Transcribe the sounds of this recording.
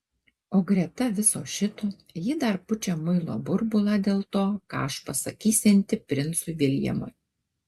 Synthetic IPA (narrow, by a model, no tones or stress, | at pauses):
oːɡɾʲɛt̪ɐʋʲɪsoːʃʲɪt̪oː | jɪd̪ɐɾpʊt͡ʃʲeːmʊɪlˠo̰ːbʊɾbʊlˠɑːd̪ʲeːlˠt̪oːkɑ̰ːɐʃpɐsɐkʲiːsʲɛnʲt̪ʲɪpʲɾʲɪnsʊʋʲɪlʲjɛ̰mʊ̰j